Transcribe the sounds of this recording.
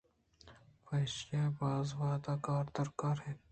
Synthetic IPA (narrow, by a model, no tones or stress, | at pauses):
pɐːʃaːbaːzwaːd̪aːkaːɾd̪ɐɾkaːɾɦɛː